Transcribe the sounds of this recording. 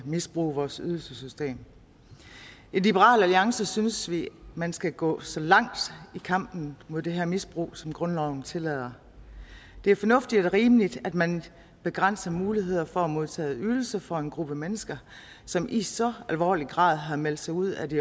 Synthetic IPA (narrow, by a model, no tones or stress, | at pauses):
misb̥ʁṵːʋɒːsyðˠl̩səsysd̥e̝̰ːm | inlib̥əʁɑ̰̈ːlæliɑ̈ŋsəsynəsʋimænsɡ̥æɡ̥ɔ̰̽ːsɒ̽lɑ̈ŋ̰d̥ikʰɑ̈m̰b̥n̩mo̝ð̞̰ˠd̥eɦeɐmisb̥ʁṵːsɒ̽mɡ̥ʁɔ̽nlɒʊ̰n̩t͡sʰe̝lɛð̰ˠɐ | d̥e̝æɐfɒ̽nɔ̽fd̥id̥dɾe̝ʁiːmlid̥æd̥mæn | b̥e̝ɡ̥ʁan̰sɐmuːliɦe̝ð̞̰ˠɐfɒæmo̝ð̞ˠt͡sʰɛ̰ːyðˠl̩səfɒ̽e̝nɡ̥ʁub̥əmenəsɡ̥ɐ | sɒ̽mʔisɒ̽ælʋɒ̰ːliɡ̥ʁɑ̰̈ːð̞ˠɦɑ̈mel̰d̥sɑ̈ɪuð̞̰ˠæd̥i